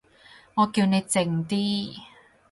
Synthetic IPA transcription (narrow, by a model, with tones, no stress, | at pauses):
ŋɔː˨˧ki˧wne˨˧jt͡sɪ˧ŋt̪iː˥